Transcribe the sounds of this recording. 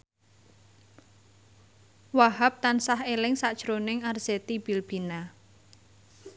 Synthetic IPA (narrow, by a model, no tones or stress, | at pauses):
waɦap̚t̪ansaɦelɪŋsad̥ʒ̥ɾonɪŋarz̥et̪ib̥i̤lb̥i̤na